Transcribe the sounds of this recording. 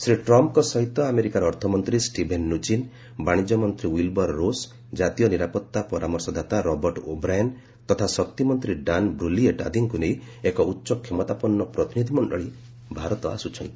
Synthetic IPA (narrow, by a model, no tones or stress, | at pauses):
sɾiʈɾɔmpkɔsɔɦit̪ːɔameɾikaɾɔɾt̪ʰɔmɔnt̪ɾisʈibʱenːut͡ʃin | baɽ̃id͡ʒɔmɔnt̪ɾiwilbɔɾːos | d͡ʒat̪ijɔniɾapɔt̪ːapɔɾamɔɾsɔd̪ʱat̪aɾɔbɔɾʈobɾajan | t̪ɔt̪ʰasɔk̚t̪imɔnt̪ɾiɖanbɾulieʈa̰d̪ʱiŋkunej | ekɔutːʃɔkʰːemɔt̪apɔnːɔpɾɔt̪inid̪ʱimɔɳɖɔɭi | bʱaɾɔt̪ɔa̰sut͡ʃʰɔj̃